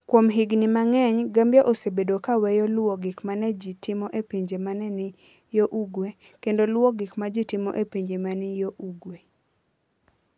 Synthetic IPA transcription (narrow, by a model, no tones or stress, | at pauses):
kwomɦɪɡnɪmaŋɛɲɡambjaʔosebedokawɛjɔlwoɡɪkmanɛd͡ʒitɪmɔʔepiɲd͡ʒemanɛnɪ | joʔuɡwe | kendolwoɡɪkmad͡ʒitɪmɔ̰ʔepiɲd͡ʒemanɪjoʔuɡwe